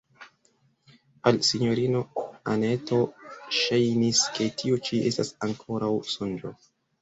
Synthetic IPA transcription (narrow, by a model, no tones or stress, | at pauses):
alsiɲo̞ɾinoane̞to̞ʃajniske̞tʰiot͡ʃiʔe̞stasaŋkʰo̞ɾawsond͡ʒo̰